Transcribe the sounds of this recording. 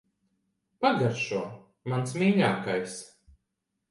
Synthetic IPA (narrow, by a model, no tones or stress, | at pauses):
paɡaɾʃuɔ | mansmiːʎʲaːkajs